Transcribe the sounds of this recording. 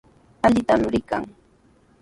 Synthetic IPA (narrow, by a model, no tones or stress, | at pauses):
aʎɪt̪amɾɪka̰ŋ